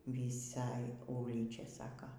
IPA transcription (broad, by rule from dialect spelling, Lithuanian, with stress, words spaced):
ʋʲiːˈsɐj ˈuːlʲiːt͡ʃʲɛ ˈsɑːkɐ